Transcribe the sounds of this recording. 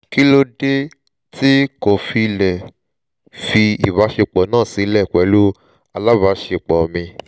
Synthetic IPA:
ki˦lo˦de˦ | ti˦ko˨fi˧˨lɛ˨ | fi˧i˨βa˨˦ʃe˧k͡pɔ˨nãː˦˨si˨˧˦lɛ˦˨kʷɛ˨˦lu˦ | a˧la˦βa˨˦ʃe˧˨k͡pɔ˨mĩ˧

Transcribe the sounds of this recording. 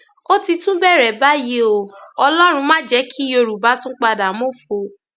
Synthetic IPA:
o˦ti˧tũ˦bɛ˦˨ɾɛ˨ba˦ji˦o˨ɔ˧lɔ˦ɾ̃ũ˧mãː˦d͡ʒɛ˦kʰi˦o˧ɾu˨ba˨˦tũ˦k͡pa˧da˨mo˦˨fo˧˨

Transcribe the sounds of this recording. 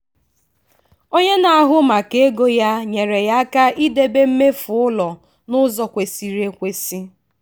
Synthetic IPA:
o˦ɲe˦na˨a˨ɦʊ˦ma˨ke˨e˦ɡo˦ja˦ɲe˨ɾe˨ja˦ka˦ʔi˦de˦be˦m̩˦me˦fʊ˨ʊ˦lɔ˨ | nʊ˦zɔ˨kʷe˨si˨ɾe˨kʷe˦si˦

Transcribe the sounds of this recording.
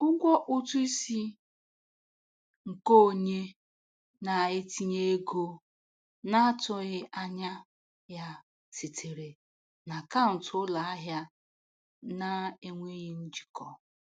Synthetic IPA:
ʊ˦ɡʷɔ˦ʔʊ˦tʊ˦i˦si˦ | ŋ̩˨ko˦˨ɲe˦ | na˨ɪ˦ti˦ɲe˦e˦ɡo˦ | na˦a˦tʊ˦ɣɪ˦ʔa˦ɲa˦ | ja˦ | ti˨tʰe˨ɾe˨ | na˨ka˦˨n̩˨tla˨a˦ɦja˦ | na˦e˦ŋʷe˦ɣi˦n̩˦d͡ʒi̥˨kʰɔ˨

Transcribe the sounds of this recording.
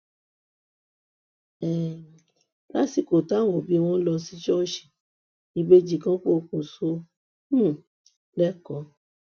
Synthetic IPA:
ɛ˨ | la˦si˨ko˨ta˦˨wo˨bi˨˦˧w̃ɔ̃˦lɔ˧si˧˦d͡ʒɔ˦˨ʃi̥˨ | i˧be˧d͡ʒi˦˧˨kã˦k͡po˦˧kũ˨so˧˦˨ | lɛ˦˨kɔ˨˦

